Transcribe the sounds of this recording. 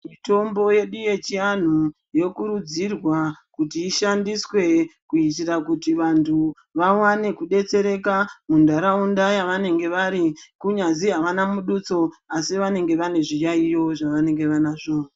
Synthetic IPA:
mito̞mbo̞je̞ɗije̞t͡ʃian̤u | jo̞kuɾud͡zirwakutiːʃandiswe̞kuit̬irakutiʋantʰu | ʋawane̞kuɗe̞t͡se̞ɾe̞kamundaɾaundajaʋane̞ŋɡe̞ʋaɾikuɲaziɦaʋanamuɗut͡so̞asiʋane̞ŋɡe̞ʋane̞ʐijaijo̞ʐaʋane̞ŋɡe̞ʋanaʐoːn

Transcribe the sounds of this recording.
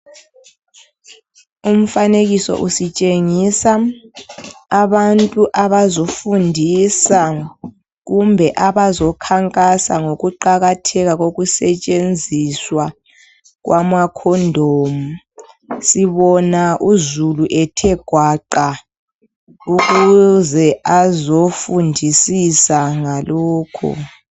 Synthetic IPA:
um̩faneɣisɔ̰ʔusit͡ʃʼeŋisa | βantʼuʔaβazofundʱisa | ɣumbʱɛʔaβazɔkʰaŋkʼasa̰ŋoɣuǃaɣatʰɛɣaɣoɣusɛt͡ʃʼend͡zʱiswa | ɣwʔamakʰɔndʱoːmu | siβɔnaʔuzuluʔɛtʰɛɡ̥ʱwaǃa | uɣuzɛazofundʱisisaŋalɔːkʰɔ̰

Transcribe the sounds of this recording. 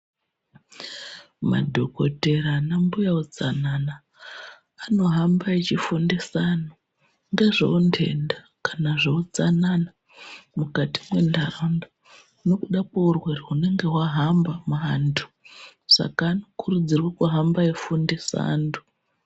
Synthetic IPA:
ma̰dʱo̞kote̞ɾanambujaud͡zananaː | no̞ɦambait͡ʃifundesano | ŋɡeʐo̰undʰe̞̰nda | kḁnaʐood͡zanana | mukati̥mwe̞ndaronda | no̞kuɗakaurwereɦune̞ŋɡe̞ɦwaɦambamaantʰu̥ | sa̰kaːno̞kʰurud͡zirwakuɦambaifundesa̰ndu̥

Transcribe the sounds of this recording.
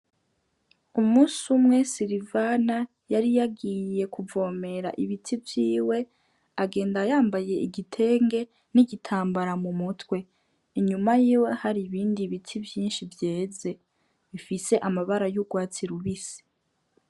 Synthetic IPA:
umuːsumŋe̞siɾivana | jaɾijaɡije̞kuvo̞ːme̞ɾa̰ʔiβitivjiːwe̞ | aɡe̞ːndajaːmbaje̞iɡitʰe̞ːŋɡe̞ | niɟitʰaːmbaɾamumutwe̞ | iɲumajiːwe̞haɾiβiːndiβitʰivjiːnʃivje̞ːze̞ | βifise̞ʔamaβaɾajuɡwaːt͡siɾuβisi̥

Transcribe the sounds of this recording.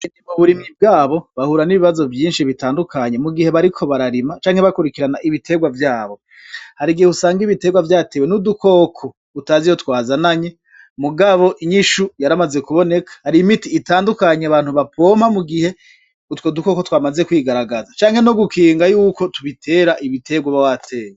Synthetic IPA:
nimuβuɾimib̚ɡaːβo̞βahuɾaniβiβazo̞vjiːnʃiβitaːndukaɲemuɡihe̞βaɾikʰo̞βaɾaɾimat͡ʃaːŋhe̞βakuɾikiɾanaʔiβitʰe̞ɡwavjaːβo̞ | haɾiɡiheusaːŋɡiβite̞ːɡwavjaːtewenudukʰo̞ːkʰo̞ | utaːzijotwaːzanaɲe̞ | muɡaβo̞ʔiɲiʃujaɾamaze̞kuβo̞ne̞kʰḁhaɾimitiːtaːndukaɲeaβaːn̥huβapʰo̞mamuɡihe̞ | utwoduko̞ko̞twaːmazekwiːɡaɾaɡazat͡ʃaːŋhe̞no̞ɡukʰiːŋɡajuːko̞tuβitʰe̞ːɾaʔiβitʰe̞ɡwaβawatʰe̞ːwe

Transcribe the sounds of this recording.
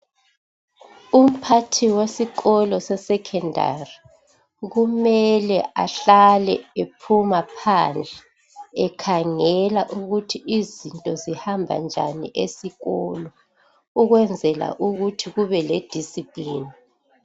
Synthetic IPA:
um̩pʰatʰiwesiɣɔlɔsɛsɛkʰɛndʱa̰ri | ɣumɛlɛʔaɬalɛ̰epʰumapʰand͡ɮʱɛː | kʰaŋɛlaʔuɣutʰiʔizintʼɔzihambʱa̰nd͡ʒʱa̰nḭʔesiɣɔlɔ | uɣwɛnd͡zʱɛla̰ʔuɣutʰiɣuβɛled̥ʱisipʼliːni

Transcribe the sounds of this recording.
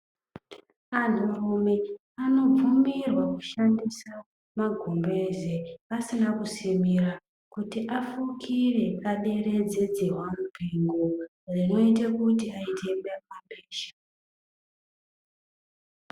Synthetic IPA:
an̤urume | ano̞p͡fumirwakuʃandisa | maɡʱumbe̞zeasinakusimira | kutiʔafukʰire̞aɗe̞re̞d͡zed͡zeɦwambʱiŋɡo | rino̞itekutiaite̞memapeːʃḁ

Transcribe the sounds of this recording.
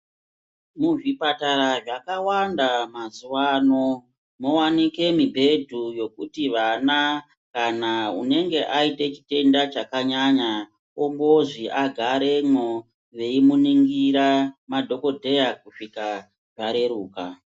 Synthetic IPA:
muʐipataɾaʐakawandamazuwano̞ | mowanike̞mibʱe̞dʱujo̞kutiʋana | kanaṵne̞ŋɡe̞ʔaite̞t͡ʃi̥te̞ndat͡ʃakaɲaɲa | ombo̞ʐiʔaɡʱaɾe̞ŋo | ʋe̞imuniŋɡiɾamadʱo̞ko̞dʱe̞jakuʂika | ʐaɾe̞ɾuːka

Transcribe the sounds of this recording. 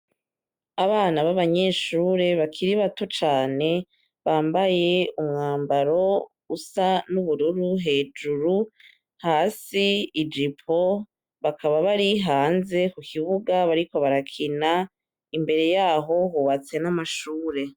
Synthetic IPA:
aβaːnaβaβaɲe̞ʃuːɾe̞βakʰiɾiβato̞t͡ʃaːne̞ | βaːmbaje̞umŋaːmbaɾo̞ | usanuβuɾuɾuɦe̞ːd͡ʒuɾu | haːsiːd͡ʒipʰo̞ | βakʰaβaβaɾiɦaːnze̞kukʰiβuɡaβaɾiko̞βaɾakʰina | imbe̞ɾe̞jaːɦo̞ɦuβat͡se̞namaʃuːɾe̞

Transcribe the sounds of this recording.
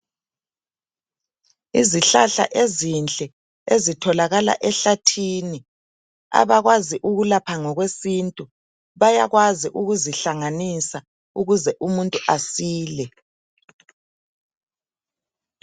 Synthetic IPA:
iziɬaɬa̰ʔezint͡ɬʼɛ | ezitʰɔlaɣala̰ʔɛɬatʰini | a̰βaɣwaziʔuɣulapʰaŋɔɣwesiːntʼu | βajaɣwaziʔuɣuziɬaŋanisa | uɣuzɛʔumuntʼuʔasiːlɛ

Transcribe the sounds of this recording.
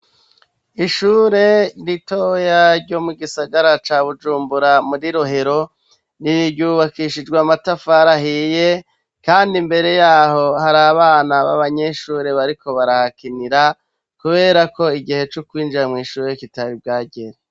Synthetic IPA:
iʃuɾe̞ɾito̞jaɾɟo̞muɡisaɡaɾat͡ʃaːβud͡ʒuːmbuɾamuɾiɾoɦe̞ɾo̞ | niɾiɾɟuːβakiʃid͡ʒɡwamatafaɾaɦije | kaːndimbe̞ɾe̞jaːɦo̞haɾaβaːnaβa̰βaɲe̞ʃuːɾe̞βaɾiko̞βaɾahakiniɾa | kuβe̞ːɾako̞iɡihe̞t͡ʃukwiːnd͡ʒiɾamŋiːʃuːɾe̞citaɾib̚ɡaːɟeɾe

